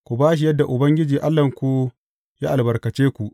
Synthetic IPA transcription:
kʷu˨baː˦ʃ̬i˨jɐ˦dːa˨ʔʊ˨bɐ˦ŋɡʲɪ˦d͡ʒiː˨ʔa˦lːɐ˨ŋkʷu˦ | jaː˦ʔa˨lbɐ˨ɾkɐ˨t͡ʃeː˦kʷu˨ʔ

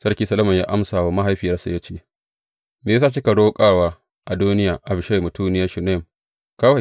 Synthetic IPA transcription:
sɐ˦rkʲiː˦sɐ˦lɐ˦mɐ˨ja̰ː˦ʔa˦msaː˨wa˦ma˦ɦa˦jɸi˨jɐ˦sa˨jɐ˦t͡ʃeː˦˨ | meː˨jsaː˦˨t͡ʃi˦kɐ˨ɽoː˦kʼaː˦waː˦ | ʔa˨duː˦nɪ˦jaː˨ʔa˨bʃa˦jmu˨tʰuː˦nɪ˦jaː˦ʃu˨na˦˨m | kaː˦wa˦˨

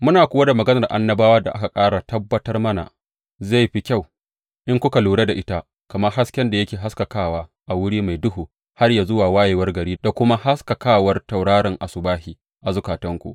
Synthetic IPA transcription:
mʊ˦naː˨kʷʊː˦wa˦da˨mɐ˨ɡɐ˦nɐ˨rʔa̰˨nːɐ˦baː˦waː˦da̰˨ʔa˦ka˨kʼaː˦ɽa˨tɐ˦bːɐ˦tɐ˦rmɐ˦na̰˨ | za˦˨jɸi˦kʲa˦˨w | ʔɪ˦ŋkʷʊ˦ka˨luː˨ɽe˦da˨ʔɪ˦ta˦ | kɐ˨mɐ˦rɦa˦skʲɛ˦nda˨jɐ˦kʲeː˨ɦa˦skɐ˨kaː˦waː˦ | ʔa˨wʊ˦ɽiː˦ma˨jdʊ˦ɦuː˨ | ha˦rjaː˨zʊ˦waː˨waː˦jeː˨wɐ˦rɡɐ˨ɾiː˦da˨kʷʊ˦ma˦ha˦skɐ˨kaː˦˨wɐ˦rta˨wɽaː˦ɾɪ˨ŋʔa˨sʊ˨baː˦hiː˨ | ʔa˨zʊ˨kaː˨tɐ˦ŋkʷṵ˦ʔ

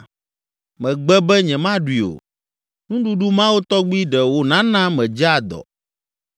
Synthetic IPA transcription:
mɛ̃˨ɡ͡bɛ˦bɛ˦ɲɛ̃˨mã˦ɖwi˨o̰˨ | nũ˦ɖu˦ɖu˦mã˦wo˦t̪ɔ˦ɡ͡bi˦ɖɛ˨wo˦nã˦nã˦mɛ̃˨d͡ʒa˦˨d̪ɔ̰˨

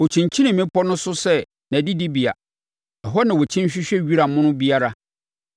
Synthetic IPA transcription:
ɔ˨t͡ɕʰĩ˨ɲ˨t͡ɕʰĩ˦nɪ̃˨mɪ̃˦pʰɔ˦nʊ̃˦sʊ˦sɛ˦ | nã˨di˦di˦bi˨a̰˨ | ɛ˨ɦɔ˦nã˨wɔ˨t͡ɕʰĩ˦n˦ɕᶣɪ˦ɕᶣɛ˦ɥi˦ɾa˨mʊ̃˦nʊ̃˦bi˦a˦ɾa˦

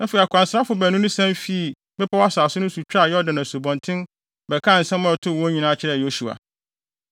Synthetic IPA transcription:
nã˦fe˨ɾi˨a˨kʰʷã˨n˨sɾa˦fʊ˨˦bæ˨nũ˦nʊ̃˦sɛ̃˦m˦fi˦˨ | bɛ˦pʰa˦wa˦saː˨sʊ˦nʊ̃˦su˨t͡ɕʰᶣɾa˦˨jɔ˦dɪ̃˨nã˨su˨bɔ̃˨ntʰɪ̃˦n | bɛ˨kʰã˦˨n̩˨sɛ̃˦mʊ̃˦ɛ˨tʰʊ˦˨wɔ˦ɲĩ˨nãː˦t͡ɕʰɪ˦ɾɛ˦˨jo˦su˨a̰˨

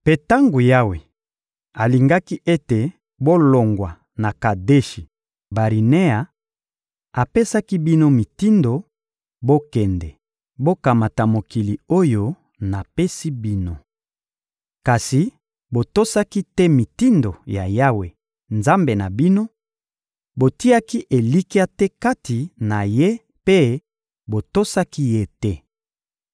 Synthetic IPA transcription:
pe˨ta˦ŋɡo˨ja˦we˨ | a˨li˨ŋɡa˦ki˦ʔe˦te˨ | bo˦lo˨ŋɡwa˨ | na˨ka˨de˦ʃi˨ | ba˨ʁi˨ne˦a˨ | a˨pe˦sa˦ki˦bi˦no˦mi˨ti˦ndo˨ | bo˦kɛ˨ndɛ˨ | bo˦ka˨ma˨ta˨mo˨ki˨li˨o˦jo˦ | na˨pe˦si˦bi˦no˨ | ka˨si˨ | bo˨to˦sa˦ki˦tɛ˦mi˨ti˦ndo˨ja˨ja˦we˨ | nza˦mbe˨na˨bi˦no˦ | bo˨ti˦a˦ki˦ʔe˨li˦ki˦a˦tɛ˦ka˦tʰi˨na˨je˦ | pe˦ | bo˨to˦sa˦ki˦je˦tɛ˦

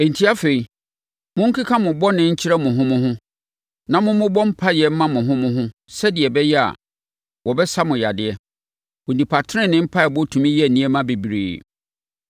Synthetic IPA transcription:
e˨n̩˨tʰi˦a˦fe˨i˨ | mʊ̃˦ŋ̩˦kʰi˦kʰã˦mʊ̃˨bɔ˦nɪ̃˦ɲ̩˦t͡ɕʰɪ˦ɾɛ˦mʊ̃˨ɦʊ̃˦mʊ̃˦ɦʊ̃˦ | nã˨mʊ̃˦mʊ̃˦bɔ˦m̩˦pʰa˦jɛ˦m̩˦mã˦mʊ̃˨ɦʊ̃˦mʊ̃˦ɦʊ̃˦sɛ˦dɪ˨ɛ˨bɛ˦jɛ˦a̰˨ | wɔ˨bɛ˦sa˦mʊ̃˨ja˨dɪ˨ɛ˦ | wʊ̃˨nĩ˨pʰa˨tʰɪ˦ɾɪ̃˦nɪ̃˦m̩˦pʰa˦˨bɔ˦tʰũ˨mĩ˦jɛ˦˨nĩ˦ɛ˦mã˦be˨bi˨ɾḛː˨

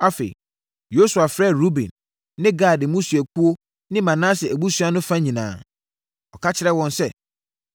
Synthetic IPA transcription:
a˦fḛ˨i˨ | jo˦su˨a˨fɾɛ˦˨ɾu˦bɛ̰̃˨nː | ɪ̃˦ɡaː˦˨dɪ˨mũ˦su˨æ˨kʰu˦o˦ | nɪ̃˦mã˨nãː˦sɪ˨æ˨bu˦su˦a˦nʊ̃˦fã˦ɲĩ˨nã̰ː˨ | ɔ˨kʰa˦t͡ɕʰɪ˦ɾɛ˦wɔ̃˨nsɛ˦

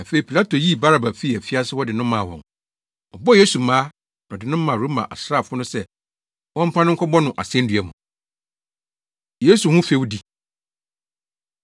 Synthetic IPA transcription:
a˨fe˨i˨pʰi˨la˦tʰo˨ji˦ba˦ɾa˨ba˨fi˦˨æ˨fi˦a˦sɪ˦wɔ˦dɪ˨nʊ̃˦mːã˨wɔ̰̃˨n | ɔ˨bɔ˦˨je˦su˨mãː˦ | nɔ̃˨dɪ˨nʊ̃˦m̩ː˦ã˨ɾu˨˦mã̰˨ʔa̰˨sɾa˦˨fʊ˦nʊ̃˦sɛ˦˨ | wɔ̃˦m̩˦pʰã˦nʊ̃˦ŋ̩˦kʰɔ˦bɔ˦nʊ̃˨ʔa̰˨sɪ˦ɛ̃˦n̩˦dɥæ˨mũ˨ | je˦su˨hũ˦fe˦wu˦di˦

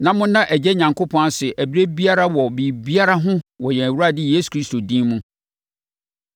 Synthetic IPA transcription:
nã˨mʊ̃˦nã˦ʔɛ˨d͡ʑɛ˦ɲã˨ŋkʰo˦pʰɔ̃˦a˦sɪ˨ʔæ˨bi˦ɾe˦bi˦a˦ɾa˦wɔ˨bi˨bi˦a˦ɾa˦ɦʊ̃˦wɔ˨jɛ˨æ˨wu˦ɾa˦˨dɪ˦jeː˦su̥˨kʰɾi˦sto˨dĩ˦mũ˦

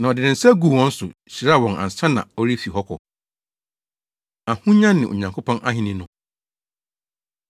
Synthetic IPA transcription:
nã˨ɔ˨dɪ˨nɪ̃˨n̩˨sɛ˦ɡu˨wɔ̃˦n̩˦sʊ˨ɕi˨ɾa˦˨wɔ̃˨ŋa̰˨n˨sã˦nã̰˨ɔ˦ɾi˦fi˨ɦɔ˦kʰɔ̰˨ | a˨hũ˦ɲã˦nːɪ̃˨o̰˨ɲã˨ŋkʰo˦pʰɔ̃˦nʔa̰˦ɦɪ̃˨nɪ̃˦nʊ̃˦

